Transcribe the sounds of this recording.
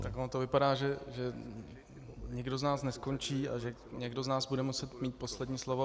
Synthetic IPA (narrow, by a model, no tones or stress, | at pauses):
t̪akonot̪ovɪpadaːʒɛʒɛ | ɲɪɡdo̞znaːsnɛsko̞nt͡ʃiːa̰ʒɛ | ɲɛɡdo̞znaːzbudɛmusɛt̪miːt̪̚po̞slɛdɲiːslovo